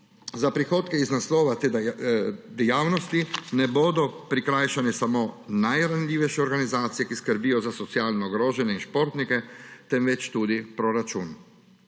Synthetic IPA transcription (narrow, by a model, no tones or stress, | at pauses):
zapɾixoːt̪kɛiznaslɔːʋat̪ː | d̪ɛjaːwnɔst̪inɛboːd̪ɔpɾikɾaːjʃanɛsamoːnajɾanlʲiːʋɛjʃɛɔɾɡanizaːt̪sijɛkiskəɾbijɔzasɔt̪sijaːlnɔɡɾoːʒɛnjɛinʃpoːɾt̪nikɛt̪ɛnʋɛt͡ʃt̪ud̪ipɾɔɾat͡ʃuːn